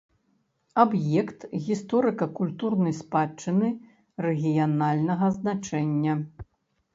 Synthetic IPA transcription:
abjɛkt̪ɣʲist̪ɔɾɨkɐkulʲt̪urnɐjspat͡ʂːɨnɨ | rɛɣʲijanalʲnɐɣɐznat͡ʂɛnʲːɐ

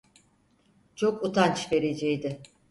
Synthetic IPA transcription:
t͡ʃʰo̞kut̪ʰant͡ʃve̞ɾe̞d͡ʒɛjd̪ɪ

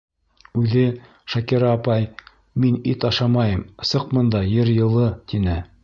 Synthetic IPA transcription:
ʉðɘ | ʃɑkiɾɑːpɑj | minit̪ɑʃɑmɑjɤm̆sɤq̚mɤ̆nd̪ɑjɘɾjɤ̆lˠɤt̪inɘ

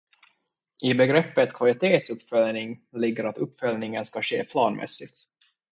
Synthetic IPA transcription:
ʔɪbɛɡɾɛpːət̪kʰvalɪt̪ʰeːt̪sɵpːfœlnɪŋlɪɡːəɾat̪ɵpːfœlnɪŋənskaɕḛːpʰlɑːnmʔɛ̰sːɪt̪

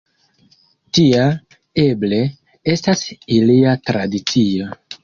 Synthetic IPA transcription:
tia | e̞ble̞ | e̞stasiliatɾadit͡sio̞

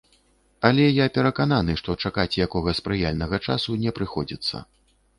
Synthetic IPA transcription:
alʲɛjapʲɛɾɐkananɨʂt̪ɔt͡ʂakat͡sʲjakɔɣɐspɾɨjalʲnɐɣɐt͡ʂa̰sunʲɛpɾɨxɔd͡zʲit̪sːɐ̰

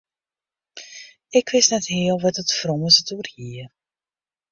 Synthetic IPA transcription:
ɪkʋɪstnɛtɦɪːəlˠʋɑtətfrɔməsətuːrhiːər

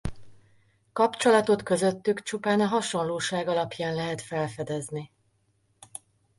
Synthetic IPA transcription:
kɒpt͡ʃo̞lɒt̪o̞t̪kø̞zø̞t̪ːykt͡ʃupaːnɒɦɒʃo̞nloːʃaːɡɒlɒpjaːnlɛɦɛt̪fɛlfɛd̪ɛzni

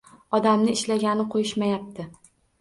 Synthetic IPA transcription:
ɒd̪amnɪɪʃlaɡʲanɪqʰojɪʃmajap̚t̪ʰɪ

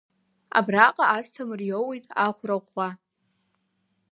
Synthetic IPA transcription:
a̰braqʼaastʰamɨrjowijtʼaχʷraʁʷːa

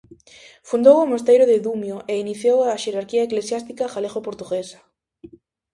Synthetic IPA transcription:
fund̪owomost̪ejɾoðeðumjoʔeiniθjowaʃeɾaɾkiaeklesjast̪ikaxaleɣopoɾt̪uɣesḁ

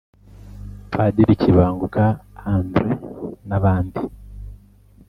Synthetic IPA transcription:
fadiɾiciβaːŋɡukaanbɾenaβaːndi

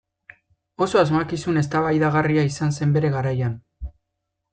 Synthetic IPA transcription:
o̞so̞azmakisune̞s̬t̪aβajðaɣariaisanse̞mbe̞ɾe̞ɣaɾajan

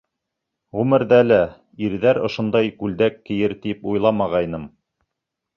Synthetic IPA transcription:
ʁʉmɘ̆ɾðælæ | iɾðæɾŏʃŏnd̪ɑjkʉld̪ækːɘ̆jɘɾt̪ipujlˠɑmɑʁɑjnɤm

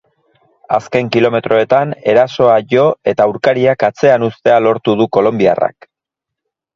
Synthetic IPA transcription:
aske̞ŋkilo̞me̞t̪ɾʔo̞e̞t̪ane̞ɾaso̞aʝo̞e̞t̪auwɾkaɾiakat͡se̞anust̪e̞alo̞ɾt̪uðuko̞lo̞mbia̰ra̰k

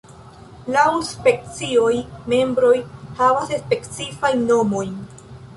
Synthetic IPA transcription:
lawspe̞k̚t͡sio̞jme̞mbɾo̞jhavasespe̞kt͡sifajnːo̞mo̞jn

